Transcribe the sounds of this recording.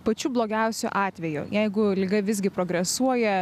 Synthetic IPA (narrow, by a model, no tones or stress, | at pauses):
pɐt͡ʃʲuːblˠoːɡʲɛʊsʲʊ̰ʔɑːt̪ʲʋʲɛjʊ̰jɛɪɡʊlʲɪɡɐʋʲɪzʲɡʲɪpɾoːɡɾʲɛsuɔjɛ